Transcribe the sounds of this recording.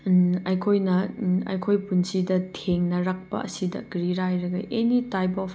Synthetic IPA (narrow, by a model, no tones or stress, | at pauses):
ɐjkʰojnɐɐ̰jkʰojpunsidɐtʰeŋnɐɾɐk̚pɐ̰ɐsidɐ̰ɡɾiɾajɾɐɡɐʔenitajpɔp